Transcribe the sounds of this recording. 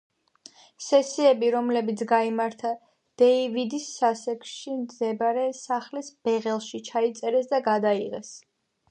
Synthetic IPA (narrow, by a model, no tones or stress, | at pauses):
sɛsiɛbiɾɔmlɛbit̪sʰɡaimaɾt̪ʰa | d̪̥ɛivid̪isːasɛkʰʃimzɛbaɾɛsaχlisb̥ɛʁɛlˠʃit͡ʃʰait̪sʼɛɾɛsd̪aɡad̪aiʁɛs